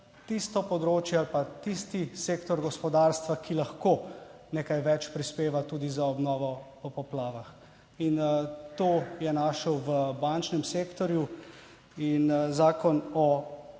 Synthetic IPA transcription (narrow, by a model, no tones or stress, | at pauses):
t̪ist̪ɔpɔd̪ɾoːt͡ʃjɛalpat̪ist̪iseːkt̪ɔɾɡɔspɔd̪aːɾst̪ʋakilaxkoː | nekajʋɛt͡ʃpɾispeːʋat̪uːd̪izaɔbnɔːʋɔpɔpɔplaːʋax | int̪oːjɛnaʃəwʋəbant͡ʃnɛmseːkt̪ɔɾju | inzaːkɔnɔ